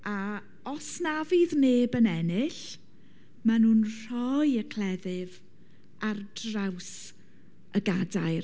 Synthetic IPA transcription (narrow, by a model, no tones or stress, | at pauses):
a | ɔsnavɨðneːbənɛnɪɬ | manuːnr̥ɔjəkʰl̥ˠɛðɪv | ardraws | əɡadajr